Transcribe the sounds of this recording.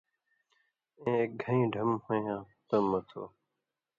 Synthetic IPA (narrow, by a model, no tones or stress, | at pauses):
ẽːeːk̚ɡʱəĩːɖʱəmhõːjãː | t̪əmət̪ʰo̰ː